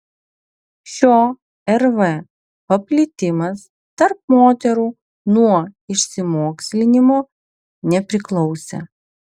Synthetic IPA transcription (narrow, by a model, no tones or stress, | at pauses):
ʃʲoː | ɛɾʋɛ | pɐpʲlʲɪt̪ʲɪmɐs | t̪ɐɾp̚moːt̪ʲɛɾuː | nuɔɪʃʲsʲɪmoːksʲlʲɪnʲɪmoː | nʲɛpʲɾʲɪklˠɒʊsʲɛ̰